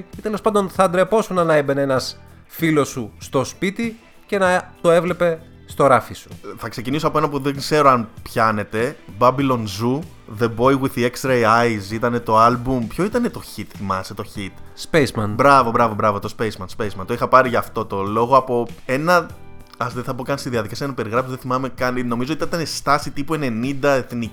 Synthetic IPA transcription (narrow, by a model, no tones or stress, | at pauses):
it̪eelospɐnd̪onθɐd̪ɾe̞po̞sunɐnɐebe̞neenɐs | filo̞sust̪o̞spit̪i | ce̞nɐt̪o̞e̞vle̞pe̞ | st̪o̞ɾɐfisu̥θɐkse̞cinisoɐpoenɐp̬uðeŋkse̞ɾoɐnpçɐne̞t̪e̞bɐbilo̞nzu | ðe̞bo̞jwiðiekst̪ɾejɐjzit̪ɐne̞t̪o̞ɐlbumpço̞it̪ɐne̞t̪o̞çit̪θimɐset̪o̞çit̪spezmɐnbɾɐvo̞bɾɐvo̞bɾɐvot̪o̞spejzmɐnspejszmɐnt̪oixɐpɐɾiʝɐːft̪o̞t̪o̞lo̞ɣoɐpo̞e̞nɐ | ɐzðeθɐpokɐnist̪iðiɐðikɐsieɐnɐipe̞ɾiɣɾɐfsozðeθimɐme̞kɐnnomizotiit̪ɐnest̪ɐsit̪ipue̞ne̞nind̪ɐe̞θni